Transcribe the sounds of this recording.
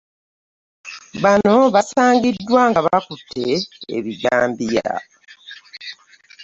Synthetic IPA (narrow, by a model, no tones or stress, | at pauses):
βano̞βasaːŋɡidːwaːŋɡaβakutʰːe̞̰ːβiɟaːmbija̰